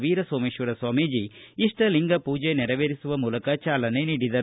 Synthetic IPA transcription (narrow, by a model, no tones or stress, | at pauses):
ʋiːɾɐsoːmiʃʋuɾɐsʋaːmid͡ʒiiʂʈɐliŋɡɐpuːd͡ʒenɛɾɐʋeːɾisuʋɐmuːlɐkɐt͡ʃaːlɐne̞niːɽid̪ɐɾ